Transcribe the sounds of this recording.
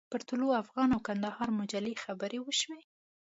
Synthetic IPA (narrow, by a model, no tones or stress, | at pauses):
pəɾt̪uloafɣɑnawkand̪ahɑɾmʊd͡ʒalexabəɾewəʃwe